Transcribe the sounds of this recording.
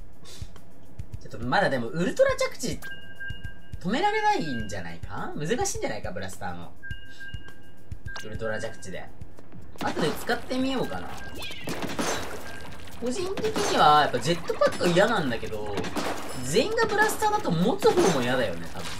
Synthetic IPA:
t͡ɕot̪ːomad̪ad̪e̞mo̞ʔɯ̟ɾɯ̟t̪o̞ɾad͡ʑakɯ̟̥t͡ɕi | t̪o̞me̞ɾaɾe̞naiɲ̟d͡ʑa̰na̰ika | mɯ̟zɨkaɕĩːɲ̟d͡ʑanaikabɯ̟ɾasɨ̥t̪a̰ːno̰ | ɯ̟ɾɯ̟t̪o̞ɾad͡ʑakɯ̟̥t͡ɕid̪e̞̰ | at̪o̞d̪emot͡sɨ̥kat̪ːe̞mʲijo̞ːka̰na̰ | ko̞ʑĩnt̪e̞kʲeɲ̟iβajapːad͡ʑe̞t̪ːopakːɯijanãnd̪ake̞d̪o̞ | ze̞ĩŋɡabɯ̟ɾasɨ̥t̪aːd̪at̪omo̞t͡sɨho̞ːmo̞ijad̪ajo̞̰ne̞̰t̪a̰bɯ̟̰̃

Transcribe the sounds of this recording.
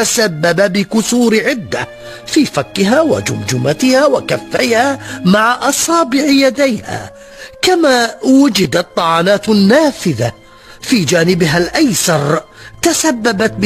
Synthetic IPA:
asabːababɪkʊsuːɾʕɪd̪ːa | fiːfakːɪɦaːwa̰d͡ʒʊ̰md͡ʒʊmat̪ɪhaːwakafːajhaːmaʕaʔɑsˤɑːbɪʕɪjad̪ajha̰ː | kamaːwʊd͡ʒɪd̪at̪ˤːɑʕɑːnaːt̪nːaːfɪða | fiːd͡ʒaːnɪbɪɦalʔajsɑɾˤt̪asabːabat̪̚b

